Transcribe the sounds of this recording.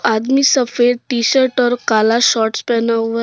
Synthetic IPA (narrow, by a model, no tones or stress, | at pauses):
ad̪miːsəfeɾʈiɕəɾʈɔɾkalaɕɔʈspɛnaʋə